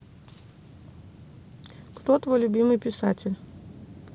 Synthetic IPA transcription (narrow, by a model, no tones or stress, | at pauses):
kt̪ot̪vo̞jlʲʊbʲimɨjpʲɪsatʲɪlʲ